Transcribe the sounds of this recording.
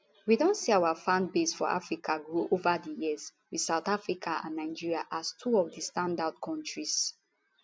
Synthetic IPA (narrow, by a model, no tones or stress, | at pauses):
widõntsiawafãndbesfɔ̰ʔa̰fɹikʰaɡɹoʔovadijizwidsaʊtafɹikʰaã̰nːaɪd͡ʒiɹiaʔastʰuɔvdistãndad̚kʰɔ̃ntɹis